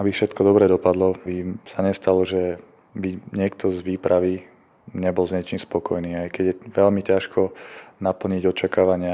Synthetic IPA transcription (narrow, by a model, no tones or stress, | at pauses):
abifʃɛt̪kɔd̪ɔbɾɛd̪ɔpad̪lɔbisaɲɛst̪alɔʒɛ | biɲɪɛk̚t̪ɔzʋiːpɾʔaʋi | ɲɛbɔlzɲɛt͡ʃiːmspɔkɔjniːajkɛɟjɛʋɛlmicaʃkʰɔnapl̩ɲiɟɔt͡ʃakaːʋaɲɪa